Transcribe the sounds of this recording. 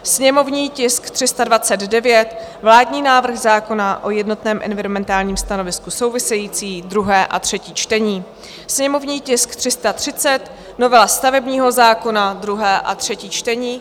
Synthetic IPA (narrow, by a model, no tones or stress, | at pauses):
sɲɛmo̞vɲiːcɪskt̪r̝̥ɪst̪advat͡sɛd̪dɛvjɛt̪vlaːdɲiːnaːvr̩xzaːko̞naʔo̞jɛdno̞t̪nɛːmʔɛ̰nvɪɾomɛnt̪aːlɲiːmst̪ano̞vɪskuso̞wvɪsɛjiːt͡siːd̪ɾuɦɛːʔa̰t̪r̝̥ɛciːt͡ʃt̪ɛɲiː | sɲɛmo̞vɲiːcɪskt̪r̝̥ɪst̪at̪r̝̥ɪt͡sɛt̪ | no̞vɛlast̪avɛbɲiːɦo̞zaːko̞nad̪ɾuɦɛːʔa̰t̪r̝̥ɛciːt͡ʃt̪ɛɲiː